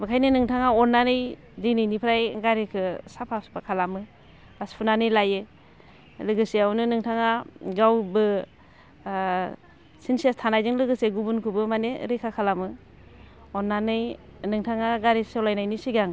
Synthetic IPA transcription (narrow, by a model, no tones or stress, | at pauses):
bɯkʰajnɯnɯŋtʰaŋaɔnːanɯj | dijnɯjnipʰɾajɡaɾekʰɯsapʰaspʰakʰalamɯ | aspʰunanɯjlajɯ | lɯɡɯseawnɯnɯŋtʰaŋaɡawbɯ | sinsiastʰanajzɯŋlɯɡɯseɡubunkʰubɯmanḛɾekʰakʰalamɯ | ɔnːanɯjnɯŋtʰaŋaɡaɾesewlajnajnisiɡaŋ